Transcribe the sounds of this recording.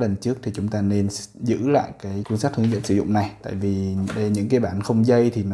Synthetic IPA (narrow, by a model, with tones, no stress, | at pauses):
lə˨˩nt͡ɕɨ˦˥ək̚t̪ʰi˨˩t͡ɕʊ˨˦ŋ͡mt̪aː˧ne˧nzɨ̰˧˥la̰ː˧˨jkaː˨˦jkwi˧ənsaː˦˥t̚hɨ̰˧˥əŋzə̰˧˥nsɨ˨˧˦zʊ̰˧˨ŋ͡mna˨˩jt̪a̰ː˧˨jvi˨˩ɗɲɨ̰˧˥ŋkaː˨˦jɓaː˧˩nxə˧wŋ͡mzə˧jt̪ʰi˨˩n˨